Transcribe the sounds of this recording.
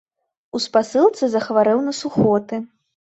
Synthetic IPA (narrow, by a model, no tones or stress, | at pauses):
uspasɨlˠt̪sɨzɐxvaɾɛwnɐsuxɔt̪ɨ